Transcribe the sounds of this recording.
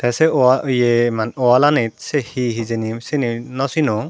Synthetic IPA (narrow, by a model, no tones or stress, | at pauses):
tasɛɔajemanɔalanit̚sɛhiɦizenimsininɔsinɔ